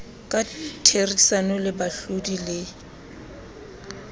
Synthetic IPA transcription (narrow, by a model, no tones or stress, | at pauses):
kʼatʰerisanɔlɪbaɬodilɪ